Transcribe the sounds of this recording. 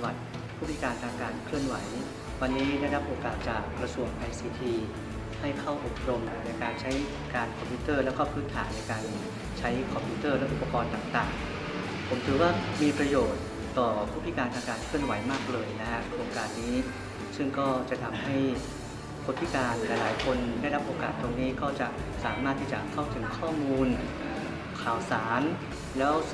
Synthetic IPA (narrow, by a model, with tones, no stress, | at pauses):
wa˨˩t̪̚ | pʰuː˥˩˦i˥kaː˧nt̪ʰaː˧ŋkaː˧nkʰlɯ˥˩ənwa˩˦j | wa˧nːiː˦˥ɾa˥˩ɾa˦˥p̚ʔoː˧kaː˨˩t̪̚t͡ɕa̰˨˩kɾa˧su˧˩əŋʔa˧jsiː˧t̪ʰiː˧ | ha˥˩jpʰa˥˩wʔo˨˩p̚ɾo˧mna˧jkaː˧nt͡ɕʰa˦˥j | kaː˧nkʰɔ˧mpʰiuː˦˥t̪ɤː˥˩lɛː˦˥wkɔː˥˩pʰɯː˦˥t̪ʰaː˩˦nːna˧jkaː˧n | t͡ɕʰa˦˥jkʰɔ˧mpʰjuː˦˧˥t̪ɤː˥˩lɛ˦˥ʔu˨˩pːa˧kɔː˧nt̪aː˨˩ŋt̪a̰ː˨˩ŋ | pʰo˩˦mt̪ʰɯː˩˦waː˥˩miː˧pɾa˧joː˨˩t̪̚ː | ɔː˨˩pʰuː˦˥˩t̪ʰːi˦˥kaː˧nt̪ʰaː˧ŋkaː˧nkʰɯ˥˩ənwa˩˦jmaː˥˩k̚lɤː˧jna˦˥kʰa˦˥ʔoː˧kaː˨˩t̪̚niː˦˥ | sɯ˥˩ŋkɔː˥˩t͡ɕa˨˩t̪ʰa˧mha˥˩j | pʰuː˦˥˩t̪̚ʰi˦˥kaː˧nlɛː˨˩laː˩˦jkʰo˧ndaː˥˩jɾa˦˥p̚ʔoː˧ka̰ː˨˩t̪ːo˧ŋniː˦˥kɔː˥˩t͡ɕa˨˩saː˨˩˦maː˥˩t̪ʰːiː˥˩t͡ɕa˨˩kʰa˥˩wt̪ʰɯ˩˦ŋkʰɔː˥˩muː˧n | kʰaː˩wsaː˩˦n | lɛː˦˥w